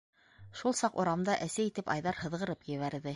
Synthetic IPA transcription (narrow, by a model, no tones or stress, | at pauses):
ʃulˠsɑqŭɾɑmd̪ɑʔæsæit̪ɘpɑjðɑɾhɤ̆ðʁɤ̆ɾɤpjɘ̆βæɾðɘ